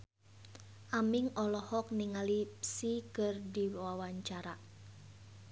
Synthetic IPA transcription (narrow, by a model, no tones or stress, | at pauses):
ʔamɪŋɔlɔhɔk̚niŋalipsikərdiwawaɲt͡ʃaɾa